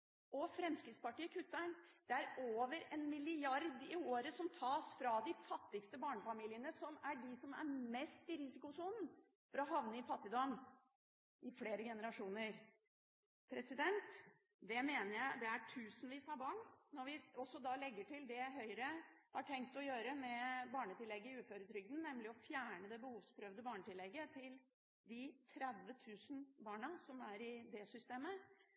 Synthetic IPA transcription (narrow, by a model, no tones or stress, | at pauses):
ʔɔfɾɛmskɾɪtspɑʈiːəkʰʉt̪ːæɪnd̪̥ɛæɾoːʋəɾɛnmɪlɪɑɾd̪ɪoːɾəsɔmt̪ʰɑːsfɾɑd̪ɪfɑt̪ːɪkst̪əbɑːɳəfɑmiːlɪənəsɔmæɖɪsɔmæ̰ɾmɛst̪ɪɾɪsɪkʊsuːnn̩ | fɔɾɔɦɑʋnəɪfɑt̪ːɪd̪ɔm | ɪfleːɾəɡɛnəɾɑʂuːnəɾ | pʰɾɛsɪd̪ɛnt̪ | d̪ɛmeːnəɾjæɪd̪ɛæʈʰʉːsnʋiːsɑɾbɑːɳnɔɾʋɪɔsːɔd̪ɑlɛɡːəʈɪld̪ɛɦœʏɾəhɑʈʰɛŋk̚t̪ɔjøːɾəmɛbɑːɳət̪ɪlːɛɡːəɪʉːføːɾət̪ʰɾʏɡ̚d̪n̩nɛmlɪɔfjæːɳəd̪ɛbəhuːʋspʰɾœʋd̪əbɑːɳət̪ʰɪlːɛɡːət̪ʰɪl | d̪ɪt̪ʰɾɛd̪ʋət̪ʰʉːsn̩bɑːɳɑsɔmæɾɪd̪ɛsʏst̪eːmə